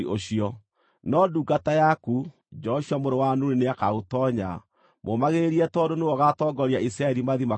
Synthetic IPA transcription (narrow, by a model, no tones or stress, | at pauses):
oɕiɔ | nɔduːɡatajaku | d͡ʒɔʃiamoɾowanuneneakaɣotɔɲa̰ | momaɣeɾeɾiɛtɔdonewɔɣatɔːɡɔɾjaisɾaɛɾimaðima